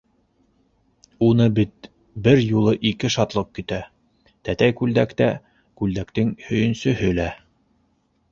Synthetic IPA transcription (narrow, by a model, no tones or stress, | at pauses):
unɤbit̪̚ | bɘɾjulˠɤʔikɘʃɑt̪lˠɤp̚kit̪æ | t̪æt̪æjkʉld̪ækt̪æ | kʉld̪ækt̪ɘŋhɵ̆jɵ̆nsɵ̆ɦɵlæ